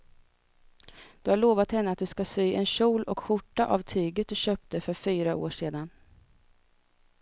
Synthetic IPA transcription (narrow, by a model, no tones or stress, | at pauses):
d̪̥ɵhaɭoːvat̪hɛnːəat̪̚d̪ɵskasyːʔɛnɕuːlɔkɧʊʈːaʔa̰vt̪ʰyːɡət̪̚d̪ɵɕøːp̚t̪əfœɾfyːɾaʔo̰ːʂeːd̪an